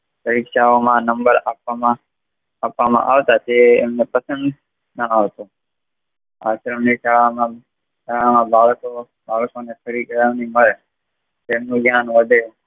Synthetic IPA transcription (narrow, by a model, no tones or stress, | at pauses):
pəɾiːkʃaːoːmãːnə̃mbəɾaːpaːmã | əpaːmã̰ːʔa̰ːʋt̪aːt͡ʃeːmneːpəsə̃nd̪ | naaːʋt̪oː | a̰ːsəɾəneːsaːɭãːmãː | aãːmãːbʱaːɭsoː | bʱaːɭsoːnẽːkʰəɾiːkəɾəːniːməɭe | t̪eːmnõːɡjaːnʋəd̪ʱeː